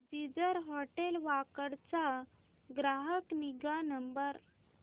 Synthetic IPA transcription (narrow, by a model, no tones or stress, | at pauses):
d͡ʑid͡zəɾɦɔʈelʋakəɾt͡sa | ɡɾaɦəkniɡanəmbəɾ